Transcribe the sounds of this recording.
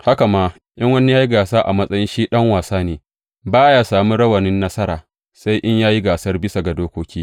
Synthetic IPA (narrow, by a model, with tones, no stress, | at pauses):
ha˦ka˨maː˦ | ʔj̰ɐ˦ŋwɐ˦ni˦jaː˦ji˦ɡaː˨saː˦ʔa˨mɐ˦sʼɐ˦jɪ˦nʃiː˦ɗɐ˦ŋwaː˨saː˦neː˨ | baː˦jaː˦saː˨mu˦ɽɐ˦wɐ˨nɪ˦nːɐ˦sɐ˦ɾaː˨ | sa˦jʔɪ˦ɲjaː˦ji˦ɡaː˨sɐ˦rbɪ˦sa˨ɡa˨doː˦kʷoː˦kʲiː˦